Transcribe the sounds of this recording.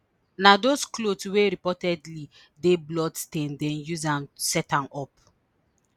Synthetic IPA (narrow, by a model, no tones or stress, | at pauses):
nadosklotsweɾipɔtɛdli | deblɔdstẽndɛ̃njuzãmsɛtãmɔp̚